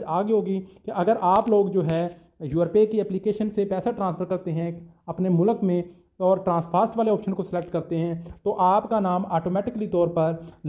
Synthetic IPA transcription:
aːɡeɦoːɡikeʔɐɡəɾʔaːploːɡd͡ʒoːɦɛː | juːəɾpekiɛːplikeːʃənsepɛːsaʈɾãːnsfʰəɾkɐɾt̪eɦɛ̃ɐpnemʊləkmẽ | ɔːɾʈɾãːspʰaːɾsʈʋaːleɔːpʃənkosɪlɛk̚ʈkɐɾt̪eɦɛ̃t̪oʔaːpkanaːmaːʈoːmɛːʈɪklit̪ɔːɾpɐɾ

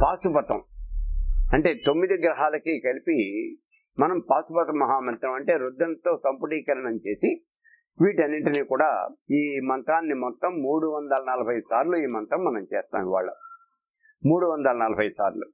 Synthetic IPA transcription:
paːsubɐt̪ɐ̰m | ɐɳʈe̞ːt̪omːid̪iɡɾɐɦaːlɐkikɐlipi | mɐnɐmpaːsubɐt̪ɐmːɐɦaːmɐnt̪ɾɐmɐɳʈe̞ːɾud̪ːɐnt̪o̞ːsɐmpuʈiːkɐɾɐɳɐmt͡ʃe̞ːsi | ʋiːʈɐnːiɳʈiniːkuːɽa̰ːiːmɐnt̪ɾaːnːimɔt̪ːɐmːuːɽuʋɐnd̪ɐlɐnɐlɐbʱɐjsaːɾluiːmɐnt̪ɾɐmːɐnɐmt͡ʃɛːst̪a̰ːmiʋa̰ːɭːɐ̰ | muːɽuʋɐnd̪ɐlɐnɐlɐbʱɐjɐsaːɾlu

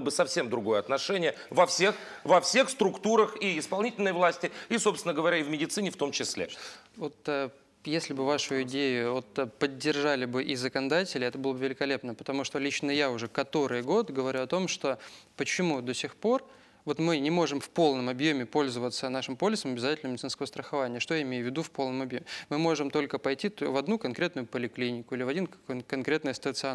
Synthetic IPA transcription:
bɨsɐfsʲe̞md̪ɾʊɡo̞jəɐt̪nɐʂɛnʲɪjə | vɐfsʲe̞xvɐfsʲe̞xst̪ɾʊkt̪uɾəxiɪspɐlˠnʲitʲɪlʲnəjvlˠasʲtʲɪiso̞psʲɪnəɡəvɐɾʲaɪvmʲɪdʲɪt̪sɨnʲɪft̪o̞mt͡ɕɪsʲlʲḛ | vo̞t̪ə | jesʲlʲɪbɨvaʂʊjʊɪdʲejʊvot̪pədʲːɪrʐalʲɪbɨʔɪzəkənɐd̪atʲɪlʲɪɛt̪əbɨlˠəbəvʲɪlʲɪkɐlʲe̞pnəpə̥t̪ɐmuʂt̪olʲit͡ɕnəjaʊʐɛkɐt̪o̞ɾɨjɡo̞t̪ɡəvɐɾʲuɐt̪o̞mʂt̪o̞pət͡ɕɪmud̪osʲɪxpo̞r | vo̞t̪mɨnʲɪmo̞ʐɨmfpo̞lˠnəmɐbjo̞mʲɪpo̞lʲzəvət̪sənaʂɨmpo̞lʲɪsəmɐbʲɪzatʲɪlʲnəmʲɪdʲt̪ɨnskəvəst̪ɾəxɐvanʲɪjəʂt̪o̞jaɪmʲejʊvʲːɪd̪ufpo̞lˠnəmɐbjomʲɪmɨmo̞ʐɨmt̪o̞lʲkəpɐjtʲivɐd̪nukɐnkɾʲe̞t̪nʊjʊpəlʲɪklʲinʲɪkʊilʲɪvɐdʲinkɐnkɾʲet̪nɨjəst̪ət̪sɨɐ

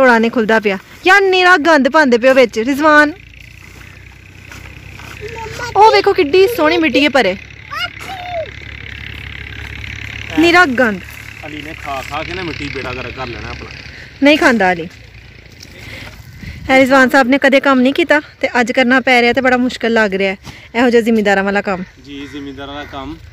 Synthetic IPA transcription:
t̪oːɽaːnẽːkʰʊld̪aːp̬ɪjaː | jaːnɪɾaːk̚ɡə̃nd̪pãːnd̪eːp̬ɪoːʋɪt͡ʃɾɪzʋaːn | oːʋeːkʰoːkɪɖiːsoːɽ̃iːmɪʈːiːeːpəɾeː | nɪɾaːk̚ɡənd̪əliːnẽːkʰaːkʰaːkɪneːmɪʈːiːpeːɽaːkəɾeːkəɾlɛ̰ːna̰ːəpɳã̰ːnəĩːkʰãːnd̪aːəliː | hɛːɾɪzʋaːnsaːbneːkəd̪eːkəmnəĩːkiːt̪aːt̪eːʔəd͡ʒkəɾnaːpɛːɾeːaːt̪eːbəɽaːmʊʃkəlːəɡɾɪaːɛː | ɛːɦod͡ʒoːzɪmːeːd̪aːɾãːʋaːlaːkəmd͡ʒiːzɪmiːd̪aːkəm

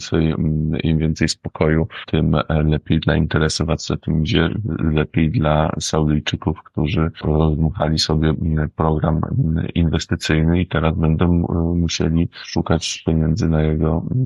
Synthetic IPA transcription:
t̪sɛjḭmvʲjɛnt̪sɛjspɔ̥kʰɔjut̪ʰɘmlɛpʲjejd̪laint̪ɛɾɛsɔvaɛt̪ɘmɡd͡ʑɛ̰lɛpʲjejd̪lasawd̪ɘjt͡ʂɘkufkt̪uʐɘɾɔzmuxalʲisɔbʲjɛpɾɔɡɾaminvɛst̪ɘt̪sɘjnɘit̪ɛɾazbɛnd̪ɔmuɕḛlʲiʂukat͡ɕpʲjeɲɛnd̪zɘnajɛɡɔ

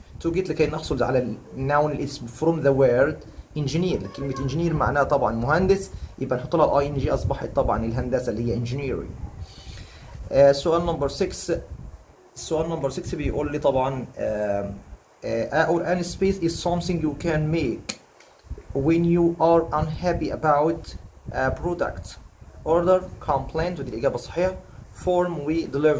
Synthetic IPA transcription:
t̪uɡet̪lɪkæːjnːɑħsˤolʕa̰lænːawnlʔɪsbfɾomðæweːɾd̪ | ʔɪnʒɪniːɾlkelmet̪ʔɪnʒɪniːɾma̰ʕnæːt̪ˤɑbʕɑnmʊhænd̪ɪsjɪbʔænħot̪ˤːlælʔɑjʔend͡ʒiːʔɑsˤbɑħḛt̪ˤːɑbʕɑ̰nɪlɦænd̪æsælːihɪjːæʔɪnʒɪniːɾḭ | ʔsːʊʔæːlnɑmbɑɾsɪks | sːʊʔæːlnɑmbəɾsɪksbejʔṵːlːiːt̪ˤɑbʕɑn | ʔæʔoɾʔænispeːsʔɪzsɑmθɪ̃ŋɡjukænmeːk | wɪnjuːʔɑɾʔanhæpiʔæbawt̪pɾod̪a̰kt̪ʔoɾd̪əɾkʰɑmplejnt̪wɪd̪ilʔɪɡæːbæsˤɑ̥ħiːħɑfoɾmwid̪ɪlɪv

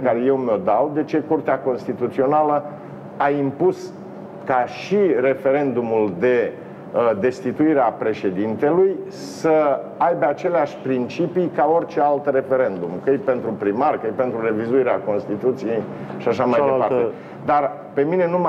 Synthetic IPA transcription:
kaɾeje̞wmo̞d̪awd̪e̞t͡ʃe̞kurt̪eako̞nst̪it̪ut̪sio̞nalə | aimpus | kaʃire̞fe̞ɾe̞nd̪umuld̪e̞ | d̪e̞st̪it̪uiɾeapɾe̞ʃe̞d̪int̪e̞luj | səajbeat͡ʃe̞leaʃʲpɾint͡ʃipikao̞rʲt͡ʃe̞alt̪re̞fe̞ɾe̞nd̪umkəejpe̞nt̪ɾupɾimarkəjpe̞nt̪ɾuɾe̞vizuiɾeako̞nst̪it̪ut̪sije̞jʃiaʃamajd̪epare | d̪ar | pe̞mine̞num

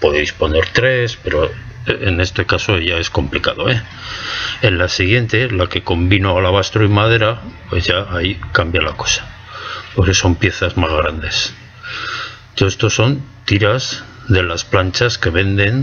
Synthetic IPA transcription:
po̞ðejspo̞ne̞ɾt̪ɾe̞spe̞ɾoene̞st̪e̞kaso̞ʝae̞sko̞mplikaðoe | enlasiɣ̞je̞nt̪e̞lake̞ko̞mbinoalaβ̞ast̪ɾoimaðe̞ɾapwe̞zʝaːikambjalako̞̥sḁ | poɾke̞so̞mpje̞θazmazɣ̞ɾand̪e̞s | t̪oest̪osːo̞nt̪iɾaz | ðe̞lasplant͡ʃaske̞βe̞nd̪e̞n

